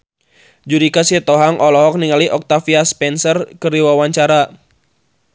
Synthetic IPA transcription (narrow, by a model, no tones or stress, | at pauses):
d͡ʒuɾikasiɛt̪ɔɦaŋʔɔlɔɦɔk̚niŋaliʔɔk̚t̪afiaspɛnsərkəriwawaɲt͡ʃaɾa